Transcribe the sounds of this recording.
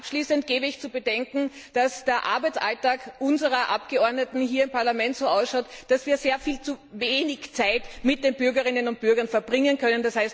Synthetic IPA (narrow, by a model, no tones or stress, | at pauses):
ʔapʃliːsəntɡ̥eːbəɪçt͡subədɛŋkŋ̩d̥asd̥eːɐʔa̰ɐbæɪt͡sʔa̰ltaːkʔʊnzəʁɐʔapɡ̥əɔɐdnətn̩ɦiːɐɪmpʰaɐlamɛntsoːaʊsʃɑʊtd̥asv̥iːɐzeːɐfiːlt͡suveːnɪçt͡saɪtmɪt̚d̥eːn̚bʏɐɡɐʁɪnənʊnt̚b̥ʏɐɡɐnfɛɐbʁɪŋənkʰœnənd̥ashaɪst